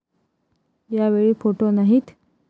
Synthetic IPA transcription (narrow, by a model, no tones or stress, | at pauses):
jaʋeɭiːfoʈonaɦiːt̪